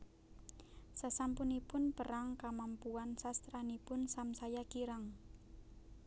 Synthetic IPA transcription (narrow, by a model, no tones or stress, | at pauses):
sasampunipʊnpəɾaŋkamampuansast̪ɾanipʊnsamsajakiɾaŋ